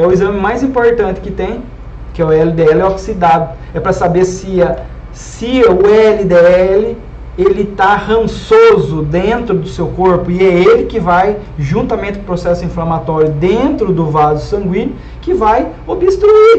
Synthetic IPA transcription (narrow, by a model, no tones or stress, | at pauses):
ɛʊezɐ̃mɪmajzĩpoɾt̪ɐ̃nt̪ɪ̥kɪt̪ẽj̃ | kɪɛʊɛlɪd̪eɛlɛoksid̪ad̪ʊ | ɛpɾɐsabeɾsɪɐ | sɪʊɛlɪd̪eɛɛlɪ | elɪt̪ahɐ̃sozʊd̪ẽnt̪ɾʊd̪ʊsewkoɾpʊɪɛelɪkɪvaj | ʒũnt̪ɐmẽnt̪ɪʊpɾosɛsʊĩflɐmat̪ɔɾjʊd̪ẽnt̪ɾʊd̪ʊvazʊsɐ̃ŋɡwĩɲʊ | kɪvaj | obɪst̪ɾui